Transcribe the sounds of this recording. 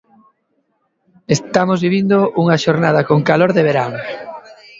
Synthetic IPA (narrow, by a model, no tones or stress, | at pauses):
est̪amozβiβind̪oʔuŋaʃoɾnað̞akoŋkaloɾðeβeɾaŋ